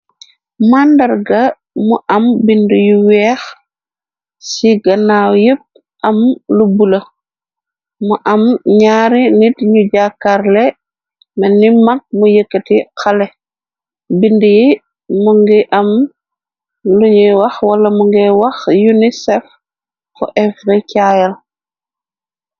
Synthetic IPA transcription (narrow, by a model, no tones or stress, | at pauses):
mandɐɾɡɐ | muʔɐmbindujiwɛːx | siɡɐnawjəp̚ | ʔɐmlubulɐ | muʔɐmɲaːɾinitɲuɟakːaɾlɛ | mɛnːimak̚mujəkːətikɐlɛ | bindiji | muŋɡiʔɐm | luɲɛwɐxwɐlɐmuŋɡɛwɐxjunisɛf | kɔ̰ʔɛfɾɛkajɐl